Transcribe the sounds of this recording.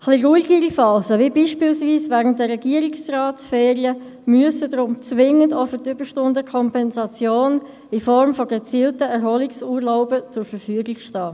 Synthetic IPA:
χliɡuiɡiɾifɑːsəvibiːʃpiːlsviːsvɛʁənt̚dəɾːɛɡ̥iəɾiksraːtsfɛːɾiə | myəsədɾʊmt͡sʋɪŋəndofətʏb̥əʃtʊndəkʰɔmpɛnsɑt͡sjoːn | ɪfɔɾmfɔɡ̥et͡siːltəɛɾhɔliksuːɾlaʊbət͡sʊɾfəɾfyəɡɪkʃtɑː

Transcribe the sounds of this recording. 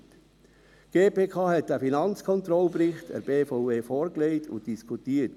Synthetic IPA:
ɡ̥eːpʰeːkʰɑːɦɛtːəfinɑnt͡skʰɔnt̪ɾɔlpɾɪχtə̰ɾb̥eːfɔʊveːfɔːɾkleɪtʰʊ̰ntd̥iskʰutiːət

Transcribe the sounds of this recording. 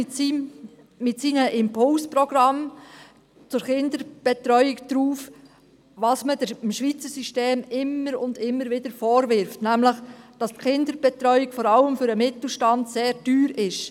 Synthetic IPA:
siː | ɪtsiːnəʔɪmpʰʊlsprɔɡɾɑm | t͡sʊɾχɪndəɾb̥ɛtɾœʏɪkd̥ɾuːf | ʋɑsmədəɪmʃʋiːt͡səɾsyʃteːmɪmːəɾʊ̰ndɪmːəɾvɪd̥əɾfɔːɾʋɪɾftnæmləχd̥ɑstχɪnd̪əɾb̥ɛt̪ɾœʏɪkfɔɾɑləmfʏɾəmɪt̪l̩ˠʃtɑndseːɾd̥yːɾɪʃ

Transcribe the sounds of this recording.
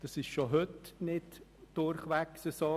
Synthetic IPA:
d̥ɑsɪʃʃoɦʏtnɪdd̥ʊɾχʋæksəsoː

